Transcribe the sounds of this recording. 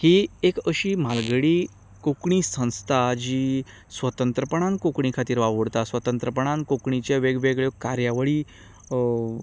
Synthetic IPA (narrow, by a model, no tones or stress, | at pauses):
hiekəɕiːmalɡəɽi | kokɳiːsə̃w̃st̪ʰad͡ʑi | sʋət̪ənt̪ɾəpəɳ̃ãnkokɳikʰat̪iːɾʋaʋəɽt̪asʋət̪ənt̪ɾəpəɳ̃ãnkokɳit͡ɕaʋeɡʋeɡɭekaɾjaʋəɭiː